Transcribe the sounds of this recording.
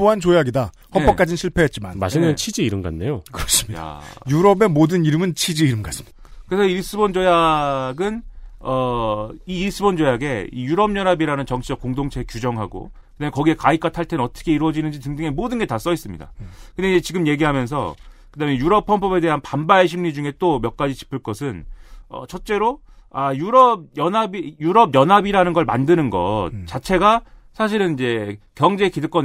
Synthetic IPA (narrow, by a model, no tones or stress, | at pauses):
oɦant͡ɕojaɡida | hʌpʰʌk͈ad͡ʑinɕʰiɭpʰe̞ɦet̚t͡ɕimama̰ɕʰineɯt͡ɕʰid͡ʑiːɾɯnɡa̰nːejokɯɾʌs͈ɯmɲijda̰juɾʌbe̞modɯniɾɯmɯnt͡ɕʰid͡ʑiːɾɯmɡas͈ɯ̥mi | kɯɾesʰʌiɭs͈ɯbond͡ʑojaɡɯnʌiiɭs͈ɯbond͡ʑojaɡe̞ḭjuɾʌmɲʌɾabiɾanɯnt͡ɕʌŋt͡ɕʰid͡ʑʌk̚k͈oŋdoŋt͡ɕʰe̞kjud͡ʑʌŋɦaɡo̰ | kɯdamekʌɡie̞kaik͈atʰaɭtʰenʌt͈ʰʌ̥kʰe̞iɾwʌd͡ʑinɯnd͡ʑitɯŋdɯŋemodɯnɡe̞tas͈ʌis͈ɯmɲḭda̰kɯndeid͡ʑe̞t͡ɕiɡɯmje̞ɡiɦamjʌns̬ʰʌ̰kɯdame̞juɾʌpʰʌmpʰʌbe̞de̞ɦanpambaeɕ̬ʰimɲid͡ʑuŋe̞t͈omjʌk̚k͈ad͡ʑit͡ɕi̥pʰɯɭk͈ʌs̬ʰɯnʌ̰t͡ɕʰʌt̚t͡ɕ͈e̞ɾo | ajuɾʌb̚jʌnɦabijuɾʌbjʌnɦabiɾanɯnɡʌɭma̰ndɯnɯnɡʌ̰t̚t͡ɕat͡ɕʰe̞ɡa | sʰaɕ̬ʰiɾɯnid͡ʑe̞kjʌŋd͡ʑe̞kidɯk͈ʌn